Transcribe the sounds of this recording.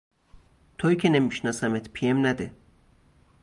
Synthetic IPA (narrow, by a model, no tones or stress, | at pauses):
t̪ʰoiːcʰʲenemiʃnɒːsæmet̪ʰpʰiemnæd̪e